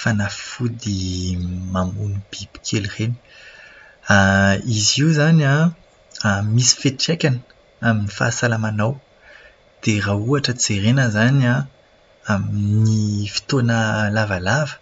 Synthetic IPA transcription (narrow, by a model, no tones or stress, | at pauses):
fanafud̪i | mamunub̥ibi̥kʰelʁeni̥ | aiziuzanã | misi̥feʈ͡ʂekʲanə | aminifa̰ːsalamanaw | d̪̥erauaʈ͡ʂət͡seɾenəzana | aminifi̥t̪onəlavalavə̥